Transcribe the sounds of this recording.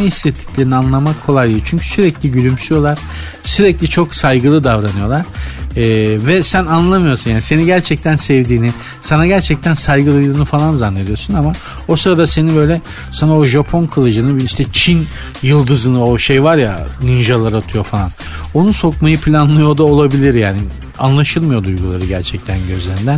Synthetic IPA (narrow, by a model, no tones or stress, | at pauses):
nɛhisːɛt̪ʰːi̥clʲe̞ɾinianlˠamakʰːo̞lˠajlˠɯut͡ʃʰyɲcʰy̥syɾɛclʲiɟylʲymsyjo̞lˠaɾ̥ | syɾɛclʲit͡ʃʰo̞ksajɡɯlˠɯd̪avɾanɯjo̞lˠaɾ̥ɛːvɛsænanlˠamɯjosunjaːnise̞niɟæɾt͡ʃʰɛc̚t̪ʰænsɛvd̪iːnɪ | sanaɟæɾt͡ʃʰɛc̚t̪ʰænsajɡɯlˠɯjunufalˠanzanːed̪ijo̞ɾsunama | o̞sɯɾad̪ase̞nibø̞jlʲɛ | sanao̞ʒapʰo̞nkʰɯlˠɯd͡ʒɯnɯbiiʃt̪ʰɛt͡ʃʰin | jɯlˠd̪ɯzɯnɯo̞ʃejvaɾja̰ninʒalˠaɾat̪ʰɯjo̞falˠan | o̞nuso̞kmajɯpʰlʲanlˠɯjo̞d̪aolˠabilʲiɾjaːni | anlˠaʃɯlˠmɯjo̞d̪ujɡulˠaɾɯɟæɾt͡ʃʰɛc̚t̪ʰænɟøzleɾind̪æn